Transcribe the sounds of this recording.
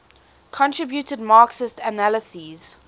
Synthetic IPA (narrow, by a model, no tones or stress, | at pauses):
kʰɔ̃ntʰɹ̥ɪbjutədmaːksɪstənaləsiz̥